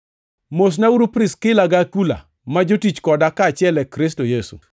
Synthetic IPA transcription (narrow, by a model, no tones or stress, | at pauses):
mos̬nauɾupɾɪskɪlaɡakula̰ | mad͡ʒotit͡ʃkɔdakat͡ʃɪɛlɛkɾɪstojesṵ